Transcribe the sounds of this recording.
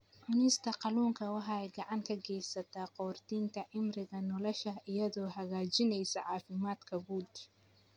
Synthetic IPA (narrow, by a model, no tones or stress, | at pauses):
ʕʊnɛst̪ʰɐqɑluːŋkʰɐwɑħɑɛjɡɑʕɑŋkʰɐɡɛjsɐt̪ʰaːqɔːrt̪ʰiːnt̪ʰɐʕɪmrɪɣɐnɔlɔʃɐʔɪjɐðɔːɦɐɣaːt͡ʃɪnɛjsɐʕɑːfɪmaːd̪kʰɐɡuːd̪